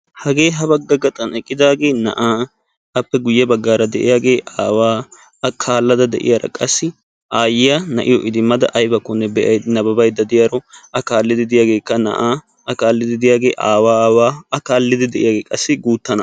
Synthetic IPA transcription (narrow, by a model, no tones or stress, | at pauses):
hɐɡe̞ːɦɐbɐɡːɐɡɐt̪ʼɐnɛkʼːɪd̪aːɡe̞ːnɐ̰ʔaː | ɐpːɛɡʊjːɛbɐɡːaːɾɐd̪ɛʔɪ̰jaːɡe̞ːʔaːwaː | kʰaːlːɐd̪ɐd̪ɛ̰ʔɪ̰jaɾɐ̰kʼɐsːɪ | ʔaːjɪjanɐʔɪjɔʔɪd̪ɪmːɐd̪ɐ̰ʔɐjbɐkːɔnːɛbɛʔɐjnɐbɐbɐjd̪ɐd̪ɪjaɾɔɐkaːlːɪd̪ɪd̪ɪjaːɡe̞ːkːɐnɐ̰ʔaː | ɐkaːlːɪd̪ɪd̪ɪjaːɡe̞ːʔaːwaːwaːɐkaːlːɪd̪ɪd̪ɛʔɪjaːɡeːkʼɐsːɪɡuːt̪ːɐnɐ